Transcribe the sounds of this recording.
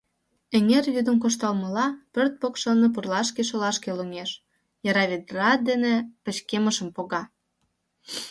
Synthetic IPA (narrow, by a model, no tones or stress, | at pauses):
eŋervyd̪əmkoʃt̪ɑlməlɑpørt̪̚pokʃənːəp̬urlɑʃkeʃ̬olɑʃkeluŋeʃ | jɑɾɑβʲed̪rɑd̪enepə̆t͡ɕkeməʃəmpoɣɑ